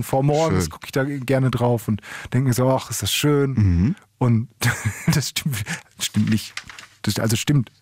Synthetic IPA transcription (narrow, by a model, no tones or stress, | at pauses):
nfoːɐmɔɐɡsɡ̥ʊkəɪçd̥aːɡɛɐnədʁaʊfʊntd̥ɛŋkmiːɐzoːaχɪstd̥asʃøːn̩ | ʔʊntd̥asʃtɪmtʃtɪmtnɪçd̥asʔa̰lzoʃtɪmt